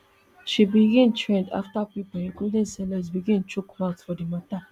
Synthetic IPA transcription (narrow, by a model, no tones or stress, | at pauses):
ʃibiɡɪ̃ntʰɹẽnda̰ftapipəĩkudẽnsɛləzbiɡĩnt͡ʃukmatfɔdimata